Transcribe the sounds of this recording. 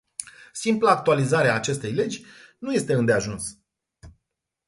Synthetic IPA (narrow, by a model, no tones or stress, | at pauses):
simplaːk̚t̪ualizaɾeaːt͡ʃe̞st̪e̞jle̞d͡ʒʲnuje̞st̪e̞ɨnd̪e̞aʒuns